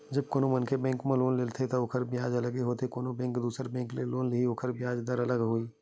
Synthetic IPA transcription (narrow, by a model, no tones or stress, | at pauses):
d͡ʒɐb̚koːnõmənkebɛ̃ːŋkmẽloːnlɪlt̪ʰet̪oʊkʰəɾbjaːd͡ʒɐləɡeɦoːt̪ekoːnõbɛ̃ːŋkd̪uːsəɾbɛ̃ːŋkleloːnlɪɦiokʰəɾbjaːd͡ʒd̪əɾɐləɡɦoiː